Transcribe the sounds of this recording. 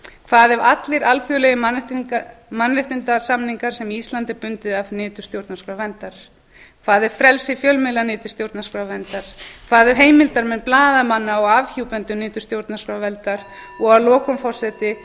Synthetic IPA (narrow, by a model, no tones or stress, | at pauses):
kʰvaːðɛɾat̪lɪɾalfjʏlɛɣɪ | manrɪht̪ɪnt̪asamniŋkaɾ̥sɛmiist̪lant̪ɪɾpʏnt̪ɪðavnɪːt̪ʏ̥st̪jowɾt̪naskɾawvɛnt̪aɾ̥ | kʰvaːðɛɾ̥fɾɛlsɪfjœlmɪlanɪːt̪ʏ̥st̪jowɾt̪naskɾawvɛnt̪aɾ̥kʰvaːðɛɾ̥ɦeːjmɪlt̪aɾmɛnplaːðamanːaɔɣavçiwpɛnt̪ʏnɪːt̪ʏ̥st̪jowɾt̪naskɾawvɛlt̪aɾ̥ɔɣalɔːkʏmfɔr̥sɛt̪ɪ